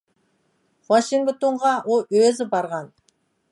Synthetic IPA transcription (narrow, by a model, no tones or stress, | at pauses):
χwaʃiŋɡt̪oɴʁɑwoøzɪbɑɾʁɑn